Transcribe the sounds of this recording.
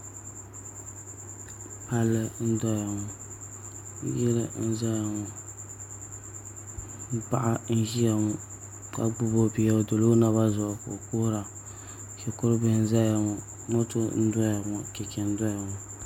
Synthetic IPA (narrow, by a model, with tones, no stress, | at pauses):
pa˦lːɨ˦n̩˦dɔ˦ja˨ŋɔ˨˦ | jɪ˦lɨ̰˦n̩˦za˦ja˨ŋɔ˨˦ | pa̰˦ʔa˦n̩˦ʒi˦ja˨ŋɔ˦ | ka̰˨ɡ͡bu˦bo˦bi˨˦a˦˨do˨lo˦na˨βa˦zɔ˨ʔko̰˨koː˦ɾa˨ | ʃɛ˨kʊ˦ɾɨ˦bɨ˦n̩˦za˦ja˨ŋɔ˨ | mo˦tʊ˦n̩˦dɔ˦ja˨ŋɔ˨kɛ˨kɛ˨n̩˦dɔ˦ja˨ŋɔ˨